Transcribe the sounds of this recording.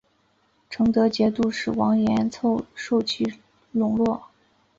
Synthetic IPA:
ʈ͡ʂʰɤ˧˥ŋt̪ɤ˧˥t͡ɕjɛ˧˥t̪u˥˧ʂɻ̩˥˩wɑ˧˥ŋjɛ˧˥nt͡sʰo˥˧ʊʂo˥˧ʊt͡ɕʰi˥˩ | lʊ˧˥ŋlwɔ˥˩

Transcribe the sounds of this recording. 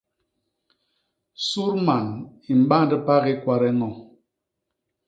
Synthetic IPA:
su˦ɾma˨ni˨m̩˨˦ɓa˦n˦də˦pa˦ɣi˦kwa˨ɾɛ˦ŋɔ˨

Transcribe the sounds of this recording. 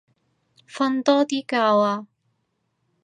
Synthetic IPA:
fɐ˧nt̪ɔː˥t̪iː˥kaː˧waː˧

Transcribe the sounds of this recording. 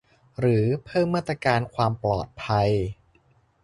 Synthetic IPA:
ɾɯː˩˦pʰɤː˥˩mːaː˥˩t̪ːɾa˧kaː˧nkʰwaː˧mplɔ̰ː˨˩t̪̚pʰa˧j

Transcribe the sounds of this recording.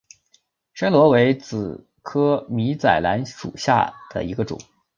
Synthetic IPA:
ʂə˥ŋlwɔ˧˥we˧˥ɪt͡sɹ̩˨˩ | kʰɤ˥mi˧˥t͡sa˨˩ɪla̰˧˥nʂṵ˨˩ɕja̰˥˩d̪̥ə̰˩i˧˥ɡə˧ʈ͡ʂʊ̰˨˩˦

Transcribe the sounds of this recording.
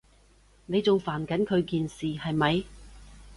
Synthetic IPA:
ne˨˧jt͡sʊ˨ŋfaː˨˩nkɐ˨˥nkʰɵ˨˧ɥkiː˨nsiː˨hɐ˨jmɐ˨˧j

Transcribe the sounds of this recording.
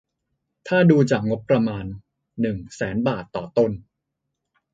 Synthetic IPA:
t̪ʰaː˥˩duː˧t͡ɕaː˨˩k̚ŋo˦˥t̚pːɾa˧maː˧nː | ɯ˨˩ŋsɛː˩˦nbaː˨˩t̪ːɔː˨˩t̪o˥˩n

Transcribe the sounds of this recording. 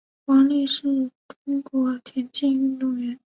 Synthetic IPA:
kwɑ˧˥ŋli˥˧ʂɻ̩˥˩t̪ʰʊ˥ŋkwɔ˧˥t̪ʰjɛ˧˥nt͡ɕɛ˥˧ny˥˧nt̪ʊ˥˩ŋɥɛ˧˥˦n

